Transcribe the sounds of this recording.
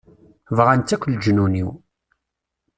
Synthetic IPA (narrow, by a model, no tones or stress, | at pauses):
vʁant̪ːækʷːld͡ʒnunḭw